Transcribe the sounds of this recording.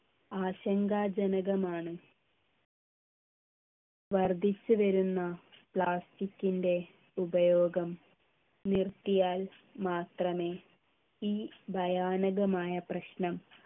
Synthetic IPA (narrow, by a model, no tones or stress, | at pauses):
aːɕɐŋɡaːd͡ʑɐnɐɣɐmaːɳɨ | ʋɐrd̪ʱit͡ɕːuʋɐɾunːɐpɭaːstikʲːinde̞ | ubɐjoːɡɐm | nirt̪ijaːl | maːt̪rɐme̞ː | iːbʱɐjaːnɐɣɐmaːjɐprɐɕnɐm